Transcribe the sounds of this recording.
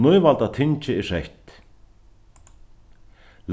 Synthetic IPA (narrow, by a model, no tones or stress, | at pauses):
nʊjvalt̪at̪ʰɪnt͡ʃɪɪʂɛjht̪ | l